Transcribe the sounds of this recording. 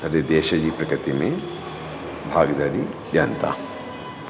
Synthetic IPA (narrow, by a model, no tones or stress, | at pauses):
ɐɾed̪eːʃɐd͡ʒiːpɾɐkɾɨt̪ime | bʱaːɡɐd̪aɾiʋjɐnt̪a̰